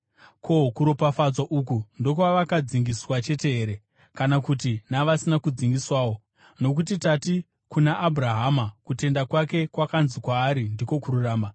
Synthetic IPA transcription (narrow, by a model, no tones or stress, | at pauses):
kʰo̞kuɾopafad͡zaʔukundo̞kwaʋakad͡ziŋɡiswat͡ʃe̞te̞ɦe̞ːɾe̞ | kanakutinaʋasinakud͡ziŋɡiswaːwo̞ | no̞k̬utitati | kunaʔːbʱuraɦamakute̞ndakwake̞kwakanzikwaːɾindiko̞kururaːma